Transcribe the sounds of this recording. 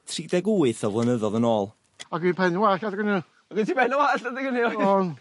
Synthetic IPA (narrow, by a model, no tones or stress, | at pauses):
tʰridɛɡuːɨθɔvlˠənəðɔðənoːlˠ | aɡwiːnpʰɛnnwakadɡənɪ | ɔɡəntʰibɛnɔwaɬədɪɡəniɔn